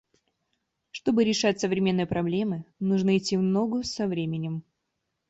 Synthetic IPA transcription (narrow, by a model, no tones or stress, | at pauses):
ʂt̪o̞bɨɾʲɪʂatʲsəvɾʲɪmʲe̞nːɨjəpɾɐblʲe̞mɨnuʐnəɪtʲːivno̞ɡʊsɐvɾʲemʲɪnʲɪm